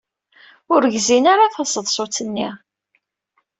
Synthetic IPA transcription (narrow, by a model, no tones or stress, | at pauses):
ʊɾəʝzinaɾaθɑsəðˤsˤot͡sənːiʁ